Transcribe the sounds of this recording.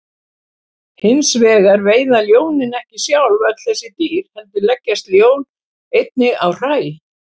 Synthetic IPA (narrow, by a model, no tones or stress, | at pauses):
hɪnsvɛːɣaɾveːjðaljoːwnɪnɛhcɪsjawlvɛt̪lθɛsːɪt̪iːɾ̥hɛlt̪ʏɾlɛcːast̪ljoːwn | ejt̪̚nɪawr̥aːjɪ